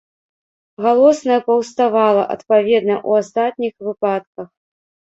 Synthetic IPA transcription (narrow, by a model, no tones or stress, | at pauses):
ɣalˠɔsnɐjɐpɐwst̪avalˠɐ̰ʔɐ̰t̪pavʲɛd̪nɐʔuast̪at̪nʲixvɨpat̪̚kɐx